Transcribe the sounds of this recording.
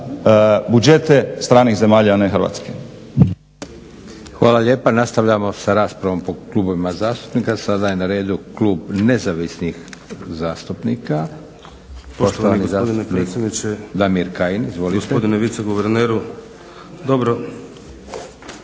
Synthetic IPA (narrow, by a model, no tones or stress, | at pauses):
bud͡ʒet̪est̪ɾaːnixze̞maːʎaneɦɾʋa̰ːt̪ske | xʋaːlˠaʎe̞ːpanast̪aʋʎamo̞saɾaːspɾaʋo̞mpo̞klˠubo̞ʋimazaːst̪u̥pnikasad̪aje̞naɾe̞ːd̪ukluːbne̞zaʋisnixzaːst̪upniːka | poʃt̪oanizaːod̪inepnɾisʲjed̪nit͡ʃed̪amiɾkajinizʋo̞liost̪eod̪ineʋit̪seɡuʋeɾneːɾu | d̪obɾo